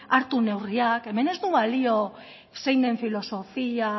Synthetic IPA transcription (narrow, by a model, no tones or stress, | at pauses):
aɾt̪une̞wriake̞me̞ne̞zd̪uβalio̞ | se̞jnd̪e̞ɱfilo̞so̞fia